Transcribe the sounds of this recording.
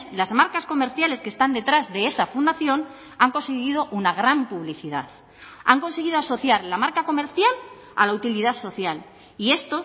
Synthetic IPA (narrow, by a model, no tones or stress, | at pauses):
lazmaɾkasko̞me̞ɾθjale̞skest̪and̪e̞t̪ɾazðe̞esafund̪aθjo̞n | aŋko̞nseɣið̞o̞ʔunaɣɾampuβliθiða̰θ | a̰ŋko̞nse̞ɣ̞iðo̞aso̞θjaɾlamaɾkako̞me̞ɾθjal | a̰laut̪iliðaso̞θjal | ie̞st̪o̞